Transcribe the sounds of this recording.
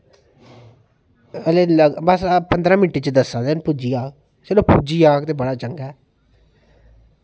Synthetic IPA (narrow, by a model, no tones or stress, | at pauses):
əleːləɡbəspənd̪ɾãːmɪnʈːeːt͡ʃəd̪əsːãːd̪enpʊd͡ʒiːaːk̚ | t͡ʃeːloːpud͡ʒiːaːkt̪eːbəɽaːt͡ʃəŋɡɛː